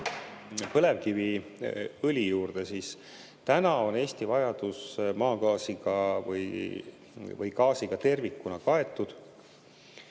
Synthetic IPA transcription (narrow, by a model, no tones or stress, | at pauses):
pɤ̞le̞vkivi | ɤlʲijuːrd̪̥e̞siːs | t̪ænɑo̞ne̞ːst̪ivɑjɑd̪̥usmɑːɡ̥ɑːsiɡ̥ɑvɤ̰j | vɯjkɑːsiɡ̥ɑt̪e̞rvikːunɑkɑe̞t̪ːˑud̪̥